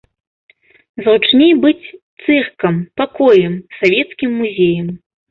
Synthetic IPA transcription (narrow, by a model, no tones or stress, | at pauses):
zut͡ʂnʲejbɨt͡sʲt̪sɛxkɐmpakɔjɛmsavʲɛt̪skʲimːuzʲejɐm